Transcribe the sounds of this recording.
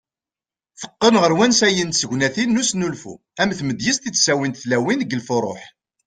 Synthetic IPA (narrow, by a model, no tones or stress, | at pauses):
θə̥qːənʁəɾwænsæjənt̪səʝʷnæθinːusnulfṵ | æmθməd̪jəst̪it͡sːsæwint̪θlæwinɡəlfʊrˤo̰ħ